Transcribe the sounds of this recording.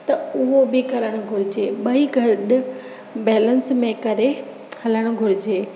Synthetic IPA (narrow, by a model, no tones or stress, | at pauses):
t̪ɐʊɦobɪkɐɾəɽ̃ʊɡʱʊɾɪd͡ʑeːɓɐiɡʱɐɾɗ | bɛːlənsmẽkɐɾe | hɐləɽ̃ʊ̆ɡʱʊɾɪd͡ʑeː